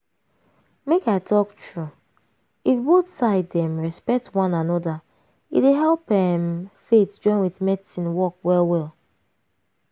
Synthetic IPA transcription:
mekaɪtʰɔktʰɹu | ifboθsaɪdɛ̃mɹɛspɛk̚twãnãnɔda | ḭtweɦɛlˠpɛmfetd͡ʒɔ̃ɪ̃nwiθmɛdisĩnwɔk̚wɛlˠwɛlˠ

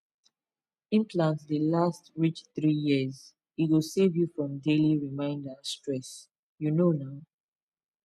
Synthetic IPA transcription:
ĩnpʰlãntðəlastɹit͡ʃθɹijiəz | iwusevjufɹɔ̃mdeliɹimãɪ̃ndəstɹɛs | junonaʊ

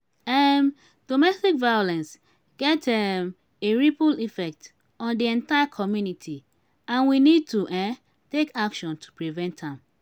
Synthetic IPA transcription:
ɛm | d̥omɛstikvajolɛ̃ns | ɡ̥ɛtɛm | eɹipulifɛk̚t | ɔ̃ndiɛ̃ntajakʰɔmjunitʰi | ãnwinid̚tuʔɛ̃ | tekakʃɔ̃ntʰu̥pɹivɛ̃ntãm

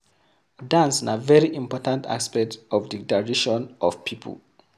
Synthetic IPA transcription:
dãnsĩnavɛɹiʔĩmpɔtãntʰa̰spɛk̚tɔvdidaɹiʃɔ̃nʔɔvpʰipʰə̰l

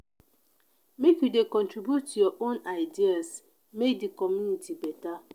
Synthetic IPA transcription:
mekjudekɔ̃ntɹibjutjɔʔonaɪdias | medikɔmjunitʰibɛta

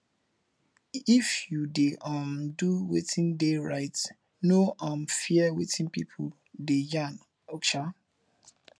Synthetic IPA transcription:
ifjudeʔãmduwḛtʰĩndeɹaɪt | noʔãmfiɛwetʰĩnpḭpʰ | dejãn | ɔkʃa

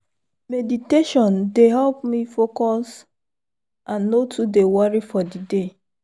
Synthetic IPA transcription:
mediteʃɔ̃ndeɦɛlpmifokɔs | ʔãnːotʰudewɔɹifɔdide

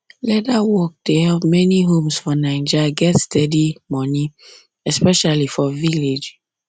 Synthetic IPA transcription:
lɛdawɔk̚dehɛlpmɛniɦõmsfɔnãɪ̃nd͡ʒaɡɛtstɛdimɔ̃ni | ɛspɛʃalifɔviled͡ʒ

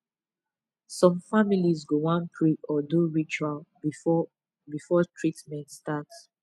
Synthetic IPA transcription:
sɔ̃mfamilizɡowãnpʰɹiɔduɹit͡ʃual | bifɔtʰɹitmɛ̃ntstats

